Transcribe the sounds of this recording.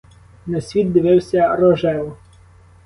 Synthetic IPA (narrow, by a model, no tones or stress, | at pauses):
nɐsʲʋʲit̪̚d̪ɪʋɪwsʲɐɾɔʒɛlˠ